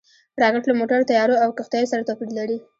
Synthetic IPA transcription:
ɾɑɡaʈlamoʈaɾot̪ajɑɾoawkaxt̪ajosaɾat̪opiɾilaɾi

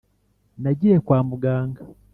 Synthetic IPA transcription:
naɟiɾekwaːmuɡaːŋɡḁ

